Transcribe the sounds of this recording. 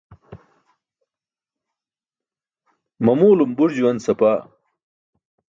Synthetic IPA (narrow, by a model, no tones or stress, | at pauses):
mɐmuːlumbuɾd͡ʑuwɐnsɐpaː